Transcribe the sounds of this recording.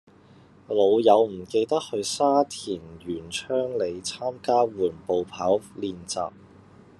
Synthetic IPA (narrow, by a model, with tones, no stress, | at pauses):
lo˨˧wjɐ˨˧wm̩˨˩ke˧jt̪ɐ˥k̚hɵ˧ɥsaː˥t̪ʰiː˨˩njyː˨˩nt͡ʃʰœː˥ŋle˨˧jt͡sʰaː˥mkaː˥wuː˨˩npo˨˧wpʰaː˨˥wliː˧nt͡sa̰ː˨p̚